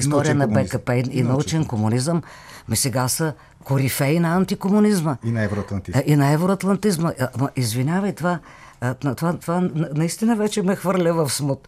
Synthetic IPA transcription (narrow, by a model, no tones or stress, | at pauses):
ist̪ɔɾijənɐbɛkəpɛinɐut͡ʃɛnkomunizəm | misɛɡasə | kʊɾifɛinɐant̪ikomʊnizməinɛvɾoɐt̪lɐnt̪iinɐɛvɾoɐt̪lˠɐnt̪izməʔmɐʔizvinʲavəjt̪ova | t̪ovat̪ovannɐist̪inəvɛt͡ʃɛmɛxvɤɾlʲəvɐfsmut̪